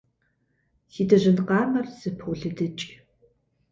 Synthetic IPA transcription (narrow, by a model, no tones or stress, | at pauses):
siːdɐʑɨnqɑːmɐrz̥ɨpʰwɮɨdɨt͡ʃʼ